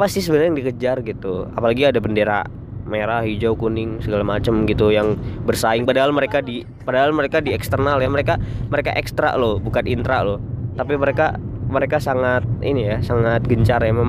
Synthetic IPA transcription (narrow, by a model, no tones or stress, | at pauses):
apasɪhsəbənəjaŋdikəd͡ʒarɡit̪ua̰palaɡiadabəndeɾa̰ | meɾaɦid͡ʒawkunɪŋsəɡalamat͡ʃəmɡit̪ujaŋbərsaɪŋpadaɦalməɾekadi | padaɦalməɾekadiɛkst̪ərnaljaməɾekaməɾeka̰ʔɛkst̪ɾa̰ʔlohbukat̪int̪ɾa̰lʊht̪apiməɾeka̰məɾekasaŋat̪̚ḭnijasaŋat̪̚ɡəɲt͡ʃarjamam